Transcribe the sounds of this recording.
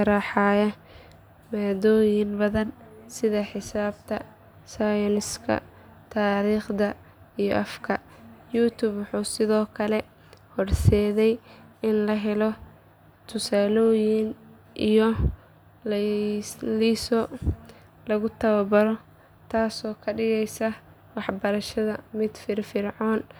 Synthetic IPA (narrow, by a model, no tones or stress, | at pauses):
ɐɾaːħaːjɐ | maːdɔːjɪnbɐðɐnsɪðɐħɪsaːbt̪ʰɐ̰ | sajɔnɪskʰɐ̰ | t̪ʰaːɾiːχd̪ɐ | ijɔ̰ʔɐfkʰɐ | juːt̪ʰuːbwʊħuːsɪðɔːkʰɐlɛ | hɔrsɛːðɛjɪnlɐɦɛlɔ | t̪ʰʊsaːlɔːjɪn | ʔijɔ | lisɔ | lɐɣʊt̪ʰɐwɐbɐɾɔ | t̪ʰaːsɔːkʰɐɖɪɣɛjsɐ | wɑħbɐɾɐʃɐðɐmɪd̪̥fɪrfɪrʕɔːn